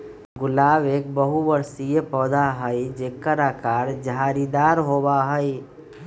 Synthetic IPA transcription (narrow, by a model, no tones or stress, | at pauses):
ɡʊlaːbeːk̚bəɦuʋəɾsijepɔːd̪aɦəid͡ʒeːkəɾaːkaːɾd͡ʒaːɾid̪aːɾɦoːbaɦəi